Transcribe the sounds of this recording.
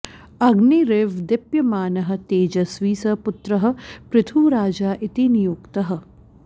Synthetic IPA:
ɐɡniɾeːʋd̪ɪpjɐmaːnɐɦɐ̆t̪eːd͡ʒɐsʋiːsɐpʊt̪ɾɐɦɐ̆pɾɪt̪ʰuːɾaːd͡ʒaːʔit̪inijuːkt̪ɐɦɐ̆

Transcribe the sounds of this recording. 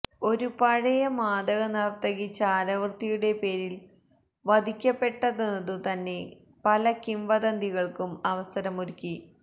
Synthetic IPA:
o̞ɾupɐɻɐjɐmaːd̪ɐɣɐnɐrt̪ɐɣit͡ɕːaːɾɐʋrt̪ijuɽe̞pe̞ːɾil | ʋɐd̪ʱikʲːɐpːe̞ʈːɐðenːɐðɨt̪ɐnːe̞ | pɐlɐkimʋɐd̪ɐnd̪iɣɐɭkumɐʋɐsɐɾɐmuɾikʲːi

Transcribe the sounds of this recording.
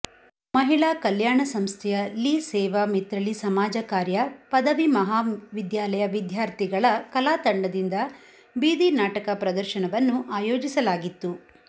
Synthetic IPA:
mɐɦiɭakɐljaːɳɐsɐmst̪ʰɛjɐliːsɛːʋɐmit̪ɾɐɭisɐmaːd͡ʒɐkaːɾjɐpɐd̪ɐʋimɐɦaːʋid̪jaːlɐjɐʋid̪ʱjaːɾt̪iɡɐɭɐkɐlaːt̪ɐɳɖɐd̪ind̪ɐ | biːd̪inaːʈɐkɐpɾɐd̪ɐɾʃɐnɐʋɐnːuʔaːjoːd͡ʒisɐlaːɡit̪ːu

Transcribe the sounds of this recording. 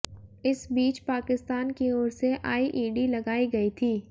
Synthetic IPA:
ɪsbiːt͡ʃpaːkɪst̪aːnkioːɾseʔa̰ːiʔiːɖilɐɡaːiɡɐit̪ʰiː

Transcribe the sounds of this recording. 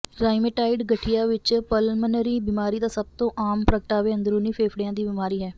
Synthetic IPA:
ɾaːɪmeʈaːɪɖɡəʈʰːijaːʋɪt͡ʃpəlmənɾiːbiːmaːɾiːd̪aːsəb̚t̪õːʔaːmpɾəkəʈaːʋeːə̃nd̪ɾuːniːpʰeːpʰɽɪãːd̪iːbɪmaːɾiːɦɛː

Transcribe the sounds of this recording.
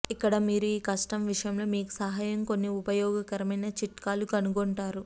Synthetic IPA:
ikːɐɽɐmiːɾuiːkɐsʈɐmʋiʂɐjɐmlo̞ːmiːku̥sɐɦaːjɐmko̞nːiupɐjɔːɡɐkɐɾɐmɐjnɐt͡ʃiʈkaːlukɐnuɡoɳʈaːɾu

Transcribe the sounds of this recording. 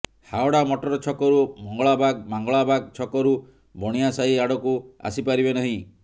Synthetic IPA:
haɔɽamɔʈɔɾɔt͡ʃʰɔkɔɾumɔŋɡɔɭabaɡmaŋɡɔɭabaɡ̚t͡ʃʰɔkɔɾu | bɔɽ̃ijasaiaɽɔkua̰sipaɾibenaɦĩ

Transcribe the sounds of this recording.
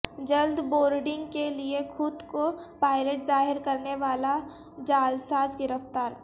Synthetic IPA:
d͡ʒɐld̪boːɾɖɪ̃ŋɡkeliexʰʊd̪kopaːɪleʈzaːɦɪɾkɐɾneʋaːla | d͡ʒaːld̪saːsɡɪɾəft̪aːɾ

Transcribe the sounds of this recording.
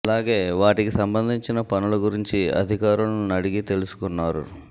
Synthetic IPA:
ɐlaːɡe̞ːʋaːʈikisɐmbɐnd̪ʱiɲt͡ʃinɐpɐnuluɡuɾiɲt͡ʃiɐ̰d̪ʱikaːɾɐlnunɐɽiɡit̪e̞lusu̥kunːaːɾṵ

